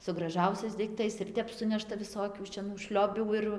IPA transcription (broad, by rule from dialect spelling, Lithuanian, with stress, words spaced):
sʊ ɡrɐˈʒɐʊsʲɛɪs dɐɪkˈtɐɪs ɪr ˈtʲɛp ˈsʊnʲɛʃtɐ ʋʲɪˈsoːkʲuː ʃʲɛˈnuː ˈʃʲlʲoːbʲuː ɪr